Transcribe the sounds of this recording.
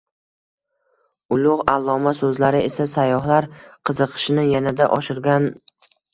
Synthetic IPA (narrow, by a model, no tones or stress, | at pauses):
ʊlˠʊʁalˠːɒmasɵzlaɾɪʔesasajːɒɦlaɾqʰɨzɨqʰɨ̥ʃɪnɪjanad̪a̰ʔɒʃɪɾɡʲan